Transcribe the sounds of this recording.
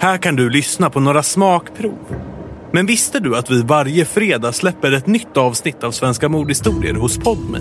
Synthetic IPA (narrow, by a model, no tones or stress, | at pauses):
hæːɾkand̪ɵlʏsnapʰɔnoːɾasmɑːkpʰɾṵːvmɛnvɪst̪əd̪ɵat̪vɪvaɾjəfɾeːd̪ɑːslɛpːəɾɛt̪nʏt̪ːɑːvsnɪt̪ːavsvɛnskamuːd̪hɪst̪uːɾɪ̰ə̰ɾhʊspʰɔd̪mɛ̰